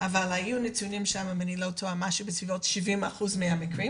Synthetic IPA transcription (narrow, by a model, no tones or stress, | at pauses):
ʔavalajunetunimʃamamanilotʰoamaʃubesvivotʃivimaχuzmeamikɾim